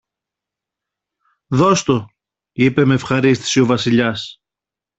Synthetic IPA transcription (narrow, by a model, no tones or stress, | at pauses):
ðo̞st̪o | ipe̞meːfxɐɾist̪i̥sio̞vɐsiʎɐs